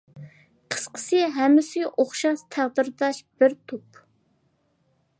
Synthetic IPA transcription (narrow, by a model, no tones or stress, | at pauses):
qʰə̥sqʰə̥sɨɦɛmːɪsɪʔoχʃɑʃt̪ʰæʁd̪ɨɾd̪ɑʃb̥ɪɾt̪ʰup